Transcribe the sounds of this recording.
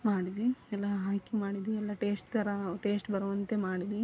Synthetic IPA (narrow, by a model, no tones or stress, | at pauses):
maːɽid̪iɛlːɐɦaːkimaːɽid̪iɛlːɐʈeːsʈɡ̪ɐɾɐʈe̞ːsʈbɐɾɐʋɐnt̪e̞maːɽid̪i